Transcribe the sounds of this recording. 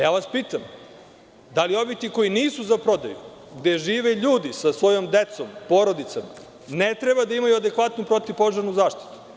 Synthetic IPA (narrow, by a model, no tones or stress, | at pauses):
jaːʋaspiːt̪am | d̪alio̞ʋit̪iko̞jiniːsuzapɾo̞d̪a̰jṵ | ɡd̪e̞ʒiːʋeʎuːd̪isasʋo̞jo̞md̪e̞t̪so̞mpo̞ːɾo̞d̪it̪sama | net̪ɾebad̪aimajuad̪e̞kʋat̪nupɾo̞t̪ipo̞ʒaɾnuzaːʃt̪i̥t̪u̥